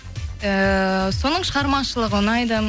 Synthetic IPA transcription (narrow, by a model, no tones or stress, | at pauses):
əso̞nəɴʃəʁɑɾmɑʃəlˠəʁəwənɑjd̪ə